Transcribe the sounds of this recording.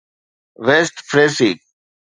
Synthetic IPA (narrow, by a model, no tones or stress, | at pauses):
ʋeːsʈfɾeːsik̚